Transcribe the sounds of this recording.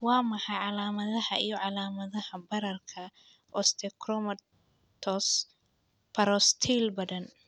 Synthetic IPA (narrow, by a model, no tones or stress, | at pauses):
wɑːmɑħɑjʕɑlaːmɐðɐhɐʔijɞʕɑlaːmɐðɐhɐbɐɾɐrkʰɐ | ʔɔst̪ʰɛkrɔmɐ | t̪ʰɔs | pʰɐɾɔst̪ʰilbɐðɐn